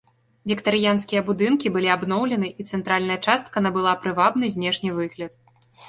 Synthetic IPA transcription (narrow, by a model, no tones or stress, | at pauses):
vʲikt̪ɐɾɨjanskʲijɐbud̪ɨnkʲibɨlʲiabnɔwlʲɛnɨʔit̪sɛnt̪ɾalʲnɐjɐt͡ʂast̪̚kɐnɐbɨlˠapɾɨvabnɨzʲnʲɛʂnʲivɨɣlʲɐt̪